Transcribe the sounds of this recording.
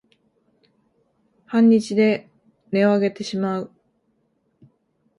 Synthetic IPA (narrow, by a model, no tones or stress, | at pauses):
hãɲ̟ːit͡ɕid̪e̞ | ne̞o̞aɡe̞t̪e̞ɕimaɯ̟